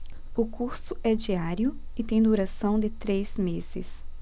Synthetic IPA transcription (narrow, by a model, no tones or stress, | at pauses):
ʊkuɾsʊʔɛd͡ʒiaɾjʊɪt̪ẽj̃d̪uɾasɐ̃w̃d̪ɪt̪ɾez̥mez̥ɪ̰s